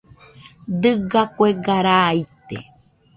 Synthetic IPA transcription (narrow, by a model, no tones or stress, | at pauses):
d̪ɨɡakʷeɡaɾajt̪ḛ